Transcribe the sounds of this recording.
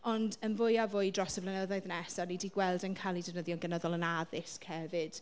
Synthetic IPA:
ɔndənvʊjavʊɨdrɔsəvlənəðɔɨðnɛsanidiɡwɛlˠdənkʰalˠidɪvnəðjɔnɡənəðɔlˠənaðɪskʰhɛvɪd̥

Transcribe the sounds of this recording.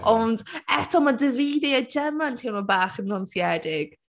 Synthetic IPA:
ɔndɛtʰɔmadəviːdɛad͡ʒɛmantʰinɔbaːχənɡɔnsjɛdɪɡ̥

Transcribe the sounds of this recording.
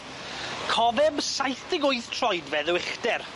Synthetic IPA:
kʰɔðɛbsajθd̥ɪɡʊɨθtʰrɔjdvɛðwɪχd̥ɛr

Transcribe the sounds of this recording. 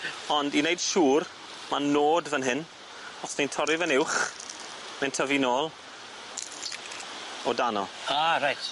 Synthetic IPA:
ɔndinejd̥ʃuːr | manoːdvənɦɪn | ɔsnintʰɔɾɪvənɪwχ | mɛntʰəvinoːlˠ | ɔdanɔ̰aːɾajt

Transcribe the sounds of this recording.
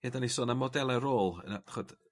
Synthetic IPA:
hedanisoːnamɔdɛlˠɛɾoːlˠə̰naχɔd̥

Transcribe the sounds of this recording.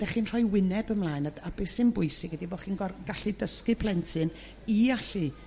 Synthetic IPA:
d̥ɛχiːnr̥ɔjwɪnɛbəmlˠaːɨnadab̥esɪnbʊjsɪɡɛdibɔχiːnɡɔrɡ̥aɬɨdəskɨpʰlˠɛntʰɨn | iaɬi

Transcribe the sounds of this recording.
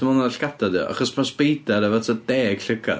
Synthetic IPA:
əmɔnaɬɡ̥adadḭʔa̰χɔsmʰasb̥ejdaɾɛvatʰad̥ɛːɡ̥ɬəɡa̰

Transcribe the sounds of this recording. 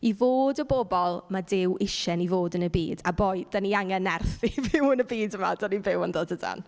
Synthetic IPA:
ivoːdəbɔbɔlˠmadɪwʔɪʃɛnivoːdənəbḭːdaboːjd̥aniaŋɛnɛrθivɪwənəbiːdəma̰dɔnivɪwəndoːdəda̰n

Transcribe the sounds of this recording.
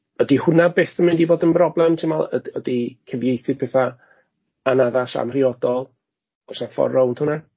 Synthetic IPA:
ədihʊnabeːθəmɪndivoːdənbrɔblˠɛmtʰɪnmalˠə̰dədikʰəvjejθɪbʰɛːθa | anaðasa̰mr̥iɔdɔlˠ | ɔsafɔ̰rɔwntʰhʊna

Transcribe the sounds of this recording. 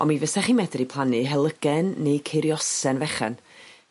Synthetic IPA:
ɔ̰mivəsɛχiːmɛdripʰlˠanɨɦɛlˠəɡ̥ɛnːejkʰeɾjɔsɛnvɛχɛ̰n

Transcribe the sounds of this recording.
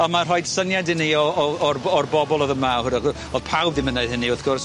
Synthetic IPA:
ɔmar̥ɔjd̥sənjadɪniɔɔɔrɔrbɔbɔlˠɔðəmahʊna | ɔ̥pʰawbðɪmənaɨðhɪniɔθɡ̥ɔrs

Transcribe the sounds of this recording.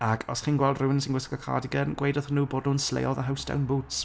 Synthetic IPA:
akʰɔsχiːnɡwɛlˠdruɪnsĩnɡɪsə̥ɡəkʰa̰dɪɡənɡ̥wejdɔθənuːboːdnuːnslḛjɔðəɦawsd̥a̰wnbuːts

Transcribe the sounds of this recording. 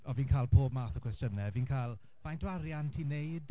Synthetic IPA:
ɔviːnkʰaːlˠpʰoːbmaːθəkʰwɛstjənɛviːnkʰalˠ | vajndwaɾjantʰiːnejd̥

